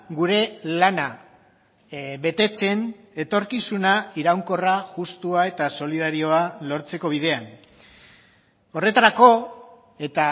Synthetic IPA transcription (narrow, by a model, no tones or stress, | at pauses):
ɡuɾe̞lana | βe̞t̪e̞t͡se̞n | e̞t̪o̞ɾkisunaiɾawŋko̞raʝust̪uae̞t̪aso̞lið̞aɾio̞alo̞ɾt͡se̞ko̞β̞ið̞e̞an | o̞re̞t̪aɾako̞ | e̞t̪a